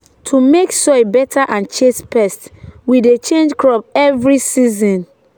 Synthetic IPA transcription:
tʰumeksɔjbɛtʰaʔãnt͡ʃespɛstwidet͡ʃẽnd͡ʒkɹɔp̚ɛvɹisizɔ̃n

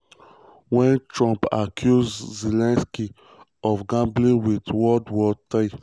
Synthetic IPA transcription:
wɛ̃ntɹɔ̃mpa̰kʰjuzːilɛ̃nski | ɔfɡãmblĩwidwɔdwɔtaɪ

